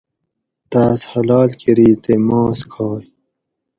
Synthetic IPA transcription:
t̪aːshɐlaːlkʰiɾiːt̪emɑ̃ːskʰɑːj

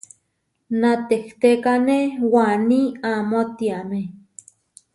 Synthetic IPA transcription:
nat̪eht̪ekanewaniamot̪iame

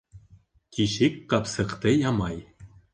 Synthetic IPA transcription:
kʲiʃikʲːɑpsɤ̆qt̪ĕjɑmɑj

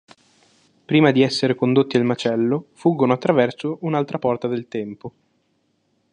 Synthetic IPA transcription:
pɾiːmad̪iɛsːeɾekond̪ot̪ːialmat͡ʃɛlːofuɡːonoat̪ːɾavɛrsounalt̪ɾapɔrt̪ad̪elt̪ɛmpo

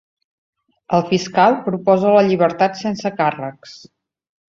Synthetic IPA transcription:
əlˠfiskalˠpɾupɔzələʎiβ̞əɾt̪at̪sensəkarəks

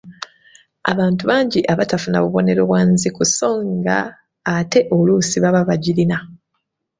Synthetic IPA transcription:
a̰βaːntuβaːɲɟiʔaβatafunaβuβo̞ne̞ɾoβwaːnzikuso̞ːŋɡa̰ː | te̞ʔolusiβaβaβaɟiɾina

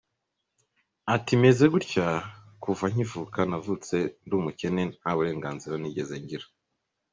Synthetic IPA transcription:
atime̞ze̞ɡuɾcakuvaɲ̥ivukanavut͡se̞ndumuce̞ne̞haβuɾe̞ːŋɡaːnziɾaniɟezeɲɟiɾḁ

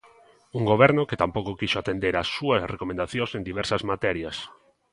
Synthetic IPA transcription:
uŋɡoβ̞ɛɾnʊket̪ampowkokiʃoat̪end̪eɾasːuɐsrekomẽnd̪aθjõsend̪iβɛɾsɐzmat̪ɛɾjɐs

